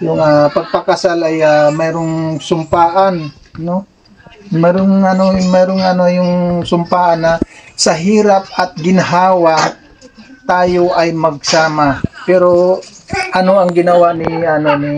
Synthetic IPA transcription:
jʊŋapɐɡ̚pɐkɐsalɐjamɛːɾoŋsʊmpaːʔan | no | mɛːɾoŋɐnojmɛːɾoŋɐno̞jʊŋsʊmpaːʔɐnːɐsɐɦiːɾɐp̚ɐt̪̚ɡɪnɐɦaːwa | t̪aːjo̞ʔɐjmɐɡ̚saːmapɛːɾo̞ | ʔɐno̞ʔɐŋɡɪnɐwanɪɐnoni

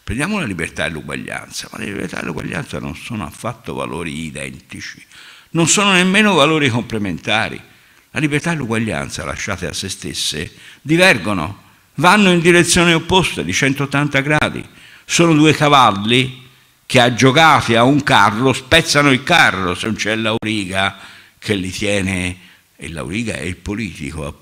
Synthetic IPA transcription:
pɾendjaːmolalibert̪aelːuɡwa̰ʎːa̰nt̪sama̰lːḛlibḛɾrt̪a̰d̪ḛlːuɡwa̰ʎːa̰nt̪sa̰no̰nsoːnoa̰fːat̪ːo̰va̰lo̰ːɾiːd̪ɛ̰nt̪it͡ʃi̥nonsoːnonemːeːnovaloːɾikomplement̪aːɾḭ | lalibert̪aelːuɡwaʎːa̰nt̪sa̰la̰ʃːaːt̪ea̰sːest̪ḛsːḛd̪ivɛrɡono̰ | vanːoind̪iɾet̪sːjoːneopːost̪ad̪it͡ʃɛnt̪oːt̪ːant̪aɡɾaːd̪ḭ | soːnod̪uːekavalːi | k̟ead͡ʒːokaːt̪iauŋkarːospɛt̪sːanoilkarːosenont͡ʃɛlːauɾiːɡa | kʰelːit̪ʰjɛːne | ḛlːa̰ṵɾiːɡa̰ɛ̰ilpoliːt̪ḭkoa̰

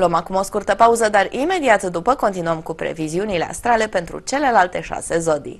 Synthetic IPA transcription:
loomakumo̞skurt̪əpauzəd̪arime̞d̪iat̪d̪upəko̞nt̪inuəmkupɾe̞̰viziunile̞a̰st̪ɾale̞pe̞nt̪ɾṵt͡ʃe̞le̞lalt̪e̞ʃa̰se̞zo̞d̪ḭ

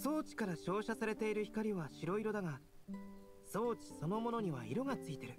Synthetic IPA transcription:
so̞ːt͡ɕi̥kaɾaɕo̞ːɕasaɾe̞t̪e̞iɾɯ̟çi̥kaɾʲiβaɕiɾo̞iɾo̞d̪aŋa | so̞ːt͡ɕi̥so̞no̞mo̞no̞ɲ̟iβa̰iɾo̞ɡat͡sɨit̪e̞ɾɯ̟

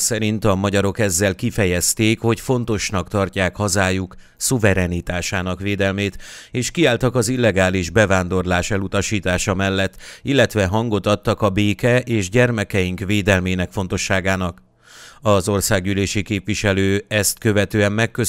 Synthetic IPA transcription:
sɛɾint̪ɒmɒɟɒɾo̞kɛzːɛlkifɛjɛst̪eːkho̞cfo̞nt̪o̞ʃnɒkt̪ɒrcaːkhɒzaːjuk | suvɛɾɛnit̪aːʃaːnɒkʋeːd̪ɛlmeːt̪eːʃkiaːlt̪ɒkɒzilːɛɡaːliʒbɛvaːnd̪o̞rlaːʃɛlut̪ɒʃiːt̪aːʃɒmɛlːɛt̪ːilːɛt̪ʋɛɦɒŋɡo̞t̪ɒt̪ːɒkɒbeːkɛʔeːʒɟɛrmɛkɛjiŋkʋeːd̪ɛlmeːnɛkfo̞n̪t̪o̞ʃːaːɡaːnɒk | ɒzo̞rsaːɡɟyleːʃikeːpvʋiʃɛløːɛst̪kø̞vɛt̪øːɛmːɛkːø

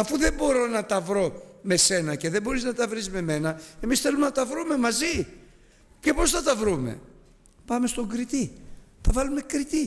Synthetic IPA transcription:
ɐfuðe̞bo̞ɾo̞nɐt̪ɐvɾo̞me̞se̞nɐce̞ðe̞bo̞ɾiznɐt̪ɐvɾizme̞me̞nɐe̞misθe̞lumenɐt̪ɐvɾume̞mɐzi | ce̞po̞sθɐt̪ɐvɾume̞̰ | pɐme̞st̪o̞ɡɾit̪iθɐvɐlume̞kɾit̪i

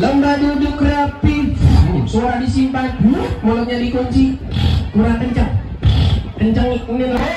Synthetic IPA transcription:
ləmbadudukɾeat̪ifsoɾadisimpamoloɲadikoɲt͡ʃikuɾakəɲt͡ʃaŋ | kəɲt͡ʃaŋuni

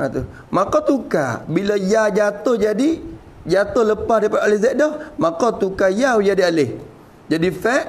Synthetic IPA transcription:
at̪u | makɔt̪uka̰bilajad͡ʒat̪ohd͡ʒadi | d͡ʒat̪ohləpadapaʔalezɛʔ̚dɔhmakɔt̪ukajawujadialɪh | d͡ʒadifɛʔ

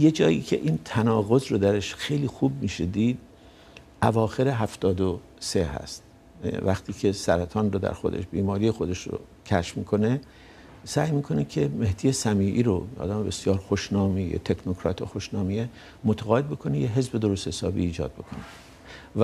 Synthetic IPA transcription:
je̞d͡ʒɒːjḭːcʰe̞̰ʔiːnt̪ʰænɒːɣo̞zɾod̪æɾeʃxe̞jliːxuːb̚miːʃed̪iːd̪ | ʔævɒːxe̞ɾe̞ɦæft̪ɒːd̪o | se̞ɦæ̰st̪ | væxt̪ʰiːcʰe̞sæɾæt̪ʰɒːnrod̪æ̰ɾxo̞̰d̪e̞̰ʃbiːmɒːɾije̞xo̞d̪e̞ʃɾo̰ | cʰæʃfmḭːkʰo̞ne̞ | sæːjmiːkʰo̞nekʰe̞me̞hd̪̥ije̞sæmiːʔiːɾoɒ̰ːd̪æmebe̞sjɒːɾxoʃnɒːmijḛt̪ʰe̞kʰnokʰɾɒ̰ːt̪ʰḛxoʃnɒːmie | mot̪ʰæɣɒːed̪bekʰo̞nejeɦe̞zbe̞d̪o̞ɾost̪hesɒ̰ːbḭːd͡ʒɒ̰ːd̪̚be̞kʰo̞ne | v

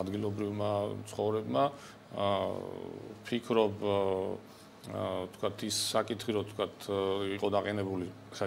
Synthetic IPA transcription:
ad̪ɡilˠɔbɾivmat̪sʰχɔvɾɛbma | pʰikʰɾɔb | t̪ʰkʰwat̪ʰisːakʼit̪ʰχiɾɔt̪ʰkwat̪ʰiqʼɔd̪aqʼɛnɛbuli | sa

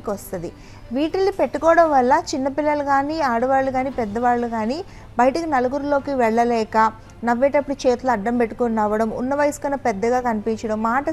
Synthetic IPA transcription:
kɐst̪ɐnd̪i | ʋiːʈɐlːipe̞ʈːukɔːɽɐmʋɐlːɐt͡ʃinːɐpilːɐlɐɡaːniːaːɽuʋaːɭːuɡaːniːpɛd̪ːɐʋaːɭːuɡaːni | bɐjʈɐkinɐlɐɡuɾulo̞ːkiʋɛɭːɐlɛːkɐ | nɐʋːɛːʈɐpːuɽut͡ʃeːt̪luɐɖːɐmpe̞ʈːu̥konːaːʋːɐɽɐmṵnːɐʋɐjskɐnːɐpɛd̪ːɐɡaːkɐnipiɲt͡ʃɐɽɐmːaːʈɐ

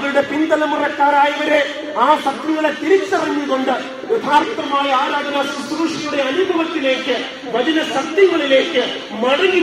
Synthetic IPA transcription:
ɐʋɐɾɯɽɐpɪnd̪ɐlɐmɐrɐkːaːɾaːjɐʋɐɾeː | aːsɐk̪ɾiɣɐɭɐt̪ːɪɾɪt̪ːɐɾɐŋɡikɔɳɖɐ | ʊd̪ʱaːɾt̪ɾɐmaːjɐaːɾaːd͡ʒɐnaːɾsɐt̪ːɾuːʂɐjɯɽɐjɐːnubʱɐʋɐt̪ːɪleːkːɯ | ʋɐðɪnɐsɐt̪jɐŋɡɐɭɪleːkːɯ | mɐɽɐni

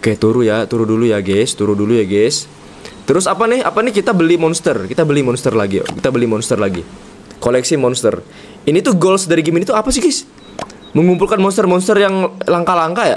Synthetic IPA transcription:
oket̪uɾujat̪uɾudulujaɡest̪uɾudulujaɡɛs | t̪əɾʊsapanɪha̰panɪhkit̪abəlimɔnst̪ərkit̪abəlimɔnst̪ərlaɡḭkit̪abəlimɔnst̪ərlaɡḭ | kolɛksimɔnst̪ə̰r | init̪uɡolsdaɾiɡiminit̪uapasɪhɡas | məŋumpulkanmɔnst̪ərmɔnst̪ərjaŋlaŋkalaŋkaja̰

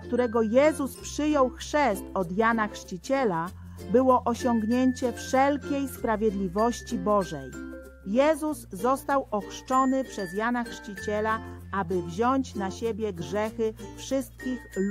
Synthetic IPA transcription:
k̚t̪uɾɛɡɔjɛzuspʂɘjɔwxʂɛst̪ɔd̪janaxʂt͡ɕit͡ɕɛla | bɘwɔʔɔɕɔŋɡɲeɲt͡ɕɛfʂɛlkʲejspɾavʲjed̪lʲivɔɕt͡ɕibɔʐɛj | jɛzuzːɔst̪awɔxʂt͡ʂɔnɘpʂɛzjanaxʂt͡ɕit͡ɕɛlaabɘvʑɔɲt͡ɕnaɕebʲjɛɡʐɛxɘfʂɘst̪̚kʲix

